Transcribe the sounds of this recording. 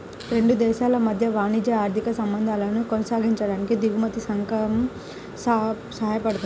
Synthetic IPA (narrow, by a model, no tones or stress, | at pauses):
ɾẽɳɖud̪eːʃalɐmɐd̪ʱjɐʋaːnid͡ʑeaːɾd̪ʱikɐsɐ̃mbə̃nd̪ʱalɐnukonɐsaːɡʱint͡ɕɐɽɐnkid̪iʋmɐt̪isɐ̃ŋkɐm | s | sɐɦjpɐɽt̪